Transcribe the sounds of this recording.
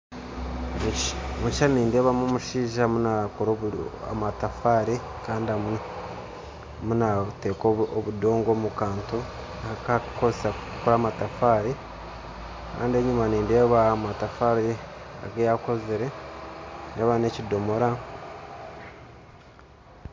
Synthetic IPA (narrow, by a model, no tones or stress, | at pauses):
muɲʃaniːnde̞ːβamumuʃiːʒamunakoɾoa̰matafaːɾe | kaːndiam | munate̞ːkooβudo̞ːŋɡoːmukaːnto | aakakozesa | koɾaːmatafaːɾe | ka̰ːndieɲumaniːnde̞ːβaːmatafaːɾea̰ɡejako̞zeɾe̞ | nde̞ːβane̞cido̞mo̞ɾa